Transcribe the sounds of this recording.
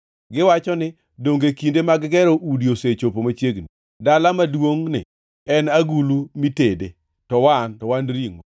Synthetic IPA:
ɡɪwat͡ʃɔnɪ | doŋɡekindemaɡɡɛɾoʔudioset͡ʃopomat͡ʃjeɡni | dalamadwoŋnɪ̰ | ɛnaɡulumitede | tɔwantɔwanɾiŋo

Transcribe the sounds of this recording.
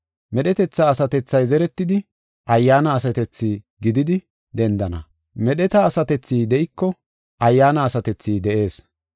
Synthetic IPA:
mɛɗɛt̪ɛt͡sːaːsɐt̪ɛt͡sːɐjzɛɾɛt̪ːɪd̪ɪ | ʔɐjːaːnɐːsɐt̪ɛt͡sːiː | ɡɪd̪ɪd̪ɪ | d̪ɛnd̪ɐnɐ̰ | mɛɗɛt̪ɐːsɐt̪ɛt͡sːiːd̪ɛʔɪkːɔ | ʔɐjːaːnɐːsɐt̪ɛt͡sːiːd̪ɛʔe̞ːs

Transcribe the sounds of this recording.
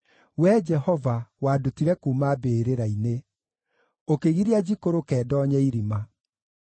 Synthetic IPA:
wɛd͡ʒɛhɔvawaːdutiɾɛkuːmabeːɾeɾaine | okeɣiɾiad͡ʑikoɾokɛːdɔːɲɛiɾima

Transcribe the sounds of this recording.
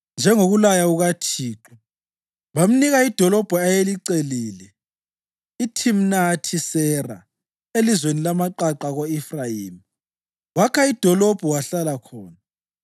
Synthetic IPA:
nd͡ʒʱɛŋoɣulajauɣatʰiːǁu | βam̩niɣaid̥ʱɔlɔb̥ʱɔajeliǀeliːlɛ | itʰim̩natʰisɛra̰ | elizwenilamaǃaǃaɣoifrajiːmi | wakʰaid̥ʱɔlɔb̥ʱɔwaɬalakʰɔːna

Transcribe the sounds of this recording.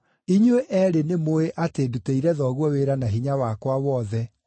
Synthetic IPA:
iɲweʔɛɾenemoeʔateduteiɾɛðɔɣwɔweɾanaɦiɲawakwawɔðɛ

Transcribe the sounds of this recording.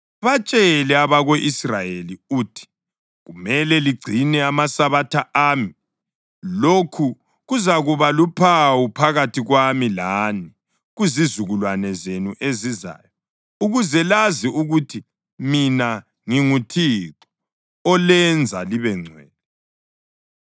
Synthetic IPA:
βat͡ʃʼɛlɛaβaɣoʔisrajeliuːtʰi̥ | ɣumɛlɛliɡ͡ǀʱinɛamasaβatʰaʔaːmi | lokʰu | ɣuzaɣuβalupʰawupʰaɣatʰiɣwamilaːni | ɣuzizuɣulwanɛzenuʔeziza̰ːjɔ | uɣuzɛlaziuɣutʰi | mina | ŋiŋutʰiǁɔ̥ | ɔlɛnd͡zʱaliβɛŋ͡ǀʱwɛ̰ːnɛ

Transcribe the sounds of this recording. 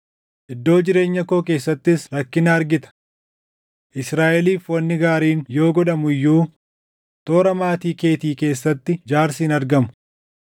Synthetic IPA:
ʔɪd̪ːo̞ːd͡ʒɪɾe̞ːɲːɐkoːk̬eːsːɐt̪ːɪsɾɐkːɪnɐːɾɡɪt̪ɐ̥ | ʔɪsɾaːʔɛliːfwɐnːɪɡaːɾiːnjo̞ːɡɔᶑɐmʊjːuː | t̪o̞ːɾɐmaːt̪iːke̞ːt̪iːke̞ːsːɐt̪ːɪd͡ʒaːɾsiːnɐɾɡɐmʊ̥

